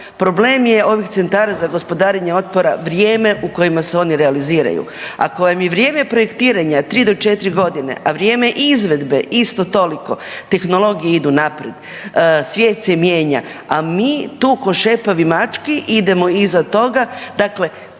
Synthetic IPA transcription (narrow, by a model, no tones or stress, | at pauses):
pɾo̞ble̞ːmje̞o̞ʋikt̪se̞nt̪aːɾazaɡo̞spo̞d̪aːɾeɲeo̞t̪̚po̞ɾaʋɾjeːme̞uko̞jimaseo̞niɾealiziːɾa̰jṵa̰kojamjeʋɾjeːme̞pɾo̞jekt̪iːɾaɲat̪ɾiːd̪o̞t͡ʃe̞t̪ɾiɡo̞d̪ine̞̰ʔaʋɾjeːme̞ʔizʋe̞d̪be̞ist̪o̞t̪o̞liko̞t̪e̞xno̞lˠo̞ɡijeid̪unapɾed̪ | sʋʲjeːt̪semjeːɲaamiːt̪uːko̞ʃe̞paʋimat͡ʃkiʔid̪e̞mo̞izat̪o̞ɡad̪akle̞